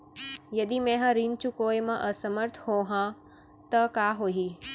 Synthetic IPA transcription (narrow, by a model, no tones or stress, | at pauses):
jɐd̪imɛ̃ɦɐ̃ɾint͡ɕukoːjmɐ̃ʔɐsəməɾt̪ʰhoːɦã | t̪ɐkaːɦoːɦiː